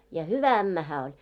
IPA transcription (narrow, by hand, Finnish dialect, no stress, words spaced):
jɑ hyʋæ æmːæ hæː olʲ